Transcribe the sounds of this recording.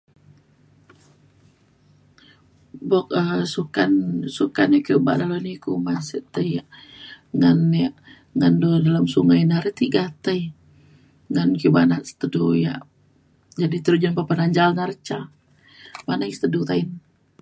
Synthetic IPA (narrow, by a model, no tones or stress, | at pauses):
bɔk̚əsukansukanjakiuba̰dalonikumasəʔt̪əjja | ŋanja | ŋandudalamsuŋajnaɾit̪iɡat̪əj | ŋankiubanaʔsə̥t̪əduja̰ | d͡ʒadit̪əɾud͡ʒanpapənaɲd͡ʒalnaɾət͡ʃa | manajsə̥t̪ədut̪ain